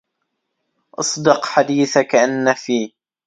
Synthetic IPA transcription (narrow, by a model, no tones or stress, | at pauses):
ʔɑ̰sˤd̪ɨqħad̪iːθakaʔanːafiː